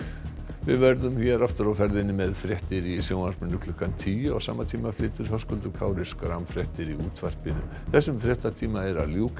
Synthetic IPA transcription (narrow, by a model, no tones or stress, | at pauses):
vɪðvɛɾðʏmçɛɾaft̪ʏɾawfɛɾðɪnːɪmɛðfɾjɛht̪ɪɾisjownansmɪnːʏkʰlʏhkant̪ʰiːa̰ɣsa̰ːmat̪ʰiːmaflɪːt̪ʏɾ̥ɦœskɔlt̪ʏkʰaːwɾɪskɾamfɾjɛht̪ɪɾiuːt̪var̥pɪnʏ | θɛsːʏmfɾjɛht̪at̪ʰiːmaɛɾa̰ðljuːk